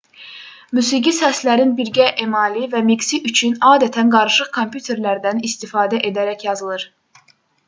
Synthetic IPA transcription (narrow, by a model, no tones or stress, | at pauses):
mysiɡisæslæɾinbiɾɟæʔemɑːlivæmiksiʔyt͡ʃʰynɑːd̪æt̪ʰænɡɑɾɯʃɯχkʰompʰjut̪ʰe̞ɾlæɾd̪ænist̪ifɑːd̪æʔe̞d̪æɾæçjɑzɯlˠɯɾ̥